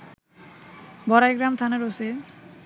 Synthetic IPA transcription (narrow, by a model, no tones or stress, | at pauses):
bɔɾajɡɾamt̪ʰaneɾose